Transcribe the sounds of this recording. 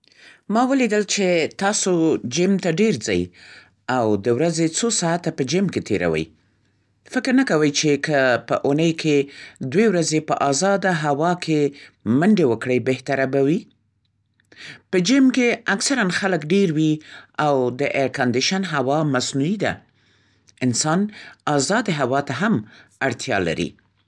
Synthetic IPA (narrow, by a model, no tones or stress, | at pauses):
mɑwəlid̪əlt͡ʃet̪ɑsod͡ʒɪmt̪aɖeɾd͡za̰j | awd̪əwɾazet͡sosɑat̪apəd͡ʒɪmket̪ʰeɾa̰wə̰j | fɪkɾnəkawəjt͡ʃekəpəʔunəjkʰed̪wewɾazepəʔɑzɑd̪aɦawɑkʰemaɳɖewəkɽəjbeht̪aɾabawi | pəd͡ʒɪmkeaksaɾanxaləkɖeɾwiawd̪əʔeɾkand̪ɪʃanɦawɑmasnuid̪a̰ | ɪnsɑnɑzɑd̪eɦawɑt̪aɦamaɽt̪ʰjɑ̰la̰ɾḭ